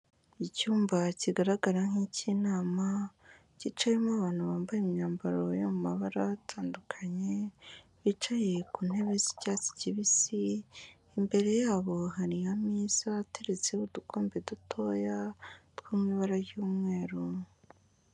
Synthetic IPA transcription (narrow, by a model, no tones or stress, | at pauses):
icuːmbaciɡaɾaɡaɾaŋ̥hicinaːma | cit͡ʃajemaβaːn̥huβaːmbajemɲaːmbaɾo̞jomumaβaɾatʰaːndukʰaɲe̞ | βit͡ʃaje̞kun̥e̞βezicaːt͡si̥ciβisiː | mbe̞ɾe̞jaːβo̞ɦaɾijamiːz̥atʰeɾet͡seudukʰoːmbedutʰo̞jatwuːmŋiβaɾajuːmŋe̞ːɾu